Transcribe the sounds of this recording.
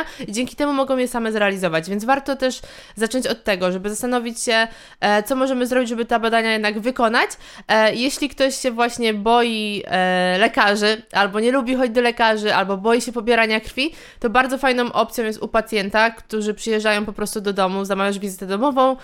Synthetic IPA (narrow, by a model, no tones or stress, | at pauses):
id͡ʑeŋkʲi̥t̪ɛmumɔɡɔ̃w̃jɛsamɛzɾɛalʲizɔvad͡ʑvʲjɛnd̪vaɾt̪ɔt̪ɛʂ | zat͡ʂɔɲt͡ɕɔt̪ːɛɡɔʐɛbɘzast̪anɔvʲit͡ɕɕɛ | t̪sɔmɔʐɛmɘzɾɔbʲit͡ɕd͡ʑʐɛbɘt̪abad̪aɲajɛd̪naɡvɘkɔn̪at͡ɕ | jɛɕlʲikt̪ɔɕɕɛvwaɕɲɛbɔji | lɛkaʐɘʔalbɔɲɛlubʲixɔd͡ʑd̪ɔlɛkaʐɘʔa̰lbɔbɔjiɕɛpɔbʲjɛɾaɲakɾfʲi | t̪ɔbaɾd̪zɔfajnɔ̃w̃ʔɔpt̪sʲjɔ̃wjɛst̪upat̪sʲjɛnt̪akt̪uʐɘpʂɨjɛʐd͡ʐajɔ̃w̃pɔpɾɔst̪ud̪ɔd̪ɔmuzamavʲjaʐvʲizɨt̪ɛd̪ɔmɔvɔ̃w̃